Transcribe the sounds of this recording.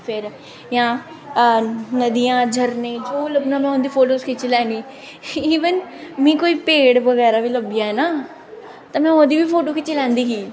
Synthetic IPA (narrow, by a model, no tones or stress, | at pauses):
pʰɪɾ | jãː | nəd̪ijãːd͡ʒʱəɾnẽːd͡ʒoːləbnãːmɛ̃ːʊnd̪iːpʰoːʈoːskʰɪt͡ʃilɛːniː | iːʋənmĩːkoːiːpeːɽʋəɡɛːɾaːʋiːləbɪjaːɦɛːnaː | t̪ãːmɛ̃ːod̪iːʋiːpʰoːʈoːkʰɪt͡ʃːilɛ̃ːnd̪iːkiː